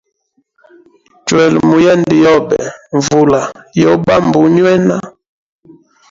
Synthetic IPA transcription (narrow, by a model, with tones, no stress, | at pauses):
twɛ˨lmu˨ja˦˨ndi˨jɔ˦bɛ̰˨ɱ˨vu˨la˨jɔ˦ba˦˨mbu˨˦ɲwɛ˦na˦